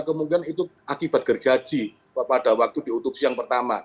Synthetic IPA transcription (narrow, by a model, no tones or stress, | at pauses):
kəmudianit̪u | akiba̤t̪̚kərd͡ʒḁd͡ʒ̥i | padawak̚t̪udiut̪up̚sijaŋpərt̪ama